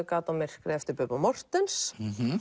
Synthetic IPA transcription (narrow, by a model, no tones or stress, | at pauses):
kaːt̪amɪr̥kɾɛft̪ʏpœpamɔr̥t̪ɛns